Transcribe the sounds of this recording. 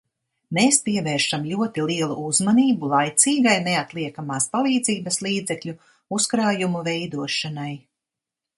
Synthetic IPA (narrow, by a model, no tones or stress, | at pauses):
meːspiɛveːɾʃamlʲuɔt̪ilˠiɛlˠuʔuzmaniːbulˠajt̪siːɡajneat̪lˠiɛkamaːspalˠiːd̪ziːbɐslˠiːd̪zɛkʎʲu | uskɾaːjumuvɛjd̪uɔʃanaj